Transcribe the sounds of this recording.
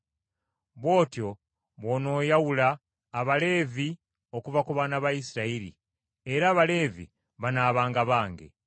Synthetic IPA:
βwo̞ːtjo̞ | βo̞ːno̞ːjawulaː | βale̞ːvi | o̞kuvakuβaːnaβaisiɾaiɾḭ | eɾaːβale̞ːvḭ | βanaːβaːŋɡaβaːŋɡḛ

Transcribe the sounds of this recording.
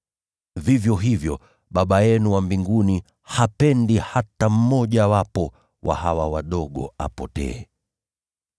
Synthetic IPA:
vivjɔɦivjɔ | ɓaɓajɛnuwambiŋɡuni | hapɛndihatam̩mɔʄawapɔ | wʔa̰hawawaɗɔɠɔa̰pɔtɛ̰ɛ

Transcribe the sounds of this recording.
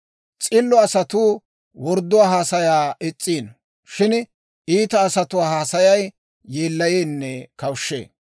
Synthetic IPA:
t͡sʼɪlːɔɐsɐt̪uː | wɔɾd̪ʊwaːɦaːsɐjaːɛt͡sʼːiːn | ʃɪn | iːt̪ɐːsɐt̪ʊwaːhaːsɐjɐjː | eːlːɐjeːnːɛkɐwʃːḛː

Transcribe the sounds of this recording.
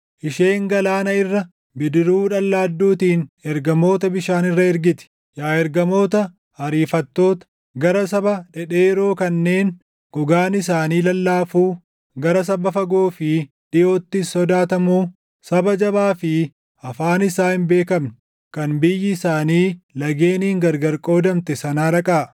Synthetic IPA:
ʔɪʃe̞ːŋɡɐlaːnɐɪrːɐ | bɪd̪ɪɾuːᶑɐlːaːd̪ːuːt̪iːnɛɾɡɐmo̞ːt̪ɐbɪʃaːnɪrːɐɛɾɡɪt̪ɪ̥ | jaːɛɾɡɐmo̞ːt̪ɐ | hɐɾiːfɐt̪ːo̞ːt̪ɐ̥ | ɡɐɾɐs̬ɐbɐᶑɛᶑeːɪɾo̞ːkɐnːe̞ːn | ɡ̥ɔɡaːnɪs̬aːniːlɐlːaːfuː | ɡɐɾɐs̬ɐbɐfɐɡo̞ːfɪ | ᶑɪjo̞ːt̪ːɪsːɔd̪aːt̪ɐmuː | sɐbɐd͡ʒɐbaːfɪ | ɐfaːnɪsaːhɪnbe̞ːkɐmn | kɐnbɪjːɪːsaːniːlɐɡeːniːŋɡɐɾɡɐɾkʼo̞ːd̪ɐmt̪ɛsɐnaːɾɐkʼaː

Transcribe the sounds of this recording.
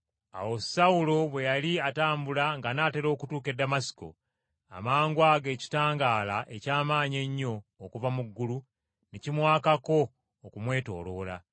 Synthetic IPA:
a̰wo̞sawulo̞βwe̞jaliataːmbulaŋɡanaːte̞ɾo̞ːkutuːke̞dːamasi̥ko̞̰ | a̰maːŋɡwaːɡe̞ːci̥taːŋɡaːlaʔe̞caːmaːɲe̞ɲːo̞ːkuvamuɡːulu | necimwaːkako̞ː | kumwe̞ːto̞̰ːlo̞ːla̰

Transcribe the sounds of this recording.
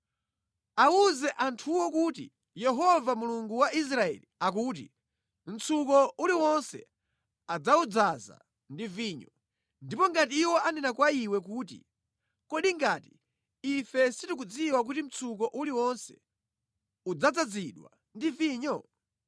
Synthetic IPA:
auzɛʔantʰuwɔkutḭ | jɛɦɔvamuluŋɡuwaʔis̬ɾaɛ̰liak̬uːt̬ḭ | m̩t͡sʰukɔuliwɔnsɛ̰ | ad͡zaud͡zaza̰ | ndiviːɲɔ | ndipɔŋɡatiːwɔanɛnakwaiwɛk̬uːtḭ | kɔɗiŋɡati | ifɛsitik̬ud͡ziwak̬utim̩t͡sʰuk̬ɔʔuliwɔnsɛ̥ | ud͡zad͡zad͡ziɗwa̰ | ndiviːɲɔ

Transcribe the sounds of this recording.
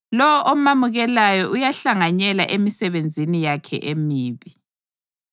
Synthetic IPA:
lɔwɔʔɔmamuɣɛlajɔʔujaɬaŋaɲɛlaʔemisɛβend͡zʱinijakʰɛ̰ʔemiːβi

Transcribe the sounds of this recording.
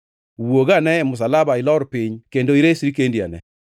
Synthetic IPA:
woɡanɛmʊs̬alabaɪlɔɾpɪɲkendoiɾesiɾikendia̰nɛ̰

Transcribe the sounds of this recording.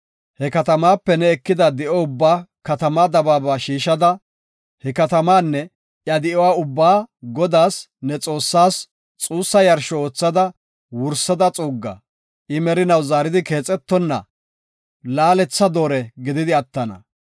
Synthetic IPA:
hɛkɐt̪ɐmaːpːɛnɛɛkːɪd̪ɐd̪ɪʔɔʊbːaːkɐt̪ɐmad̪ɐbaːbaːʃiːʃɐd̪ɐ | hɛkɐt̪ɐmaːnːɛ | jɐd̪ɪʔɔwaːʊbːaːɡɔd̪aːs | nɛt͡sʼo̞ːsːaːs | t͡sʼuːsːɐjɐɾʃɔoːt͡sːɐd̪ɐ | wʊɾsːɐd̪ɐt͡sʼuːɡːɐ̰ | ʔɪmɛɾɪnɐwzaːɾɪd̪ɪke̞ːt͡sʼɛt̪ːɔnːɐ̰ | laːlɛt͡sːɐd̪o̞ːɾɛɡɪd̪ɪd̪ɪɐt̪ːɐnɐ̰

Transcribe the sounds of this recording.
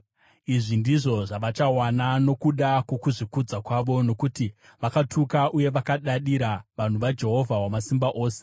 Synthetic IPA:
iʐindiʐo̞ʐaʋat͡ʃawanano̞kuɗakwekuʐikud͡zakwaʋo̞no̞kuti | ʋakatʰukaʔuje̞ʋakaɗaɗiɾaʋan̤uʋad͡ʒe̞ɦo̞vʱawamasimbaʔo̞ːse̥

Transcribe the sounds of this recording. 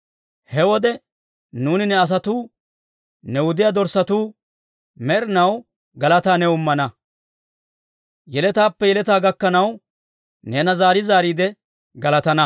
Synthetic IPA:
hɛwɔd̪ɛ | nuːnɪnɛɐs̬ɐt̪uː | nɛwʊd̪ɪjad̪ɔɾsɐt̪uː | mɛɾɪnɐw | ɡɐlɐt̪aːnɛʊmːɐnɐ | jɛlɛt̪aːpːɛjɛlɛt̪aːɡɐkːɐnɐw | nɛːnɐzaːɾɪzaːɾiːd̪ɛ | ɡɐlɐt̪ɐnɐ

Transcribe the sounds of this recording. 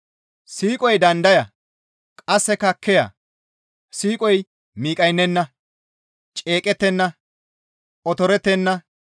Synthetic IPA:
siːkʼɔjd̪ɐnd̪ɐjɐ | kʼɐsːɛkɐkʰːɛjɐ̰ | siːkʼɔj | miːkʼɐjnːɛnːɐ | t͡ʃʼe̞ːkʼɛt̪ːɛnːɐ | ɔt̪ɔɾɛt̪ːɛnːɐ

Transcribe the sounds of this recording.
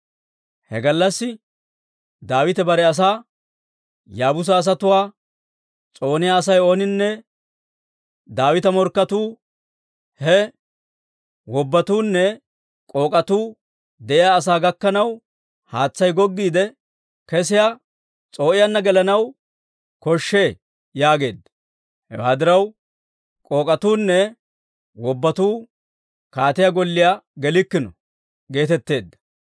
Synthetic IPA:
hɛ̰ɡɐlːɐsːɪ | d̪aːwɪt̪ɛbɐɾɛɐs̬aː | jaːbʊs̬ɐːs̬ɐt̪ʊwaː | t͡sʼo̞ːnɪjaːs̬ɐjo̞ːnɪnːɛ | d̪aːwɪt̪ɐmɔɾkːɐt̪uː | hɛ | wɔbːɐt̪uːnːɛ | kʼo̞ːkʼɐt̪uː | d̪ɛʔɪjaːs̬aːɡɐkːɐnɐw | haːt͡sːɐjɡɔɡːiːd̪ɛ | kɛs̬ɪja | t͡sʼo̞ːʔɪjɐnːɐɡɛlɐnɐw | kɔʃːe̞ː | jaːɡe̞̰ːd̪ːɐ̥ | hɛ̰waːd̪ɪɾɐw | kʼo̞ːkʼɐt̪uːnːɛ | wɔbːɐt̪uː | kaːt̪ɪjaɡɔlːɪjaɡɛlɪkːɪnɔ̰ | ɡe̞ːt̪ɛt̪ːe̞ːd̪ːɐ̥

